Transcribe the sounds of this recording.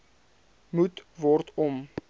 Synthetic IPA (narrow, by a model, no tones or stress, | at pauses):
mutvɔrtɔm